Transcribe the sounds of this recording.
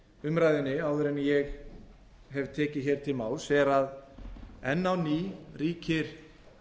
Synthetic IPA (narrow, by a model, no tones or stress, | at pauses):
ʏmɾajðɪnːɪaːwðʏɾɛnjɛɣ | ɦɛvt̪ʰɛːcɪðçɛːɾ̥t̪ʰɪlmaːwlsɛɾað | ɛnːawniːriːcʰɪɾ̥